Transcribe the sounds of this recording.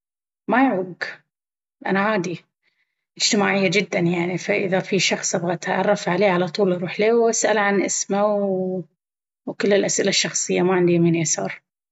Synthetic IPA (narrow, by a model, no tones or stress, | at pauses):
majʕuːɡ | ʔanaʕaːd̪i | ʔɪd͡ʒt̪ɪmaːʕɪjːad͡ʒɪd̪ːanjaʕnifaʔɪ̰ðafiʃɑxsˤʔabɣat̪ʕɑrˤːɑfʕaleːʕalat̪ˤuːlɾuːħliːwʔasʔalʕanʔɪsmaw | wkɪlːɪlʔasʔɪlaʃːɑxsˤɨjːamaʕɪnd̪iminjasɑ̰ɾˤ